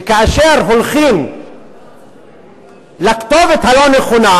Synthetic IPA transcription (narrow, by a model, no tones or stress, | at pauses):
kaaʃeʁɦolχim | lakt̪ovet̪haloneχona